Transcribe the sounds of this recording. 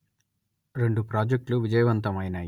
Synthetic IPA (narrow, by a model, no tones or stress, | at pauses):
ɾe̞ɳɖupɾaːd͡ʒek̚ʈluʋid͡ʒɐjɐʋɐnt̪ɐmɐjna